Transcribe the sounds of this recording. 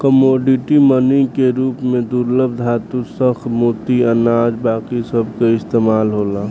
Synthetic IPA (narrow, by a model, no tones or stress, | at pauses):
kəmoːɖɪʈimənikeɾuːpmẽd̪uɾləb̚d̪ʱaːt̪usəxmot̪iɐnaːd͡ʒbaːkisəbʱkaɪst̪eːmaːlɦoːlaː